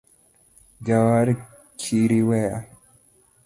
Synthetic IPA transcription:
d͡ʒawaːɾi | kʰiɾiweʔa

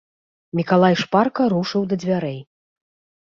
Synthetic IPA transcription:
mʲikalˠajʂparkɐɾuʂɨwd̪ɐd͡zʲvʲaɾɛj

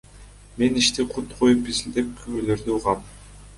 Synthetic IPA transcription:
me̞niʃt̪iqʰut̪qʰojupizild̪e̞p̚kʰymølø̞ɾd̪yuʁɑm

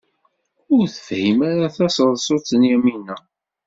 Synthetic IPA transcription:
ʊɾθə̥fhimaɾaθæsəðˤsˤot͡sːənjæminːæ

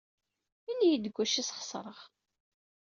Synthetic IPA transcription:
inijid̪əɡʷːæʃisχə̥sˤɾˤəʁ

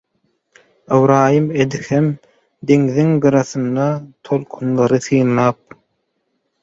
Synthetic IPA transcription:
ewɾɑːjɯmed̪ihem | d̪eŋðiŋɡɯɾɑθɯnd̪ɑt̪ʰolˠkʰunlˠɑɾɯθɯːnlˠɑːp̚

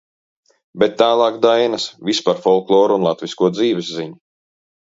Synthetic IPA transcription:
bet̪ːaːlˠɑːkd̪ajnɐsvispaɾfɔlˠklˠɔːɾuunlˠat̪vʲiskuɔd̪ziːvɛsːiɲu

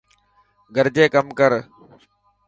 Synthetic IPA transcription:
ɡʱəɾd͡ʑeːkəmkəɾ

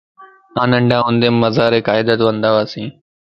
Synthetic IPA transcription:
ãːnə̃ɳɖʱãːɦõnd̪eːmːəzaːɾeːkaːɪd̪ət̪ʋə̃nd̪aːʋaːsĩː

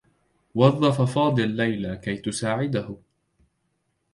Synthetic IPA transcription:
wɑðˤːɑfɑfɑːd̪ˤɨlːajlakajt̪ʊsaːʕɪd̪ahʊ

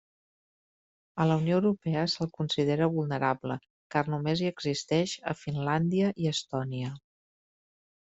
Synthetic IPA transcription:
ələuwnijoːwɾupɛəsəlˠkunsið̞eɾəβulˠnəɾablə | karnumeziəɡzist̪ɛʃə̰finland̪iəʔiəst̪ɔniə

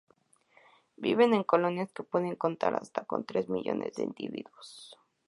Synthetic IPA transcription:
biβe̞ne̞ŋko̞lo̞njaskepwe̞ðe̞ŋko̞nt̪aɾa̰st̪ako̞̰nt̪ɾe̞zmiʝo̞nḛzd̪eind̪iβiðwos

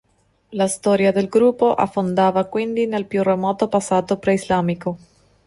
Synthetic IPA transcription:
last̪ɔːɾjad̪elɡɾupːoʔa̰fːond̪aːvakwind̪inelpjuremɔːt̪opasːaːt̪opɾeizlaːmiko

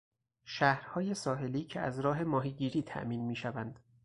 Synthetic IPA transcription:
ʃæhɾhɒːje̞sɒːɦe̞liːcʰeæzɾɒːɦe̞mɒːɦiːɟiːɾiːt̪ʰæ̰ʔmiːnmiːʃævænd̪̥

